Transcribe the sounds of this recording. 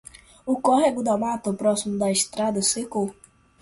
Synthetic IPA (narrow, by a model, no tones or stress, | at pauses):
ʊkɔɦeɡʊd̪amat̪ɐpɾɔsimʊd̪ɐest̪ɾad̪ɐseko